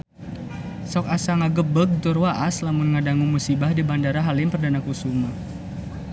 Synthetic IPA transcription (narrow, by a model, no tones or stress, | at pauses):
sɔk̚asaŋaɡəbəɡ̚t̪ʊrwaʔaslamʊnŋadaŋumusibahdibandaɾaɦalimpərdanakusuma